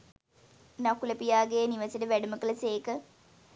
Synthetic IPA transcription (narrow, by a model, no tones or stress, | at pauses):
nakulɐpijaːɡejniʋɐseʈəʋæɖuməkəlɐseːkə